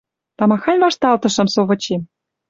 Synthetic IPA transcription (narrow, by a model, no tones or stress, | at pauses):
t̪ɑmɑxɑnʲvɑʃt̪ɑlt̪ɤ̆ʃɤ̆msoβɤ̆t͡ɕem